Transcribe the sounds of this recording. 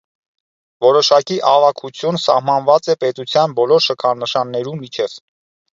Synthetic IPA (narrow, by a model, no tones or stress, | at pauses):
vɔɾɔʃɑkiʔɑvɑkʰut͡sʰjunsɑ̰hmɑnvɑt͡sɛpɛt̪ut͡sʰjɑnbɔlɔɾʃəkʰɑnəʃɑnːɛɾumit͡ʃʰɛv̥